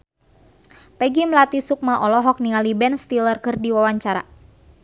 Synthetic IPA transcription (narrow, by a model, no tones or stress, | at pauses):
pɛɡimlat̪isuk̚maʔɔlɔɦɔk̚niŋalibɛnst̪ilərkɨrdiwawaɲt͡ʃaɾa̰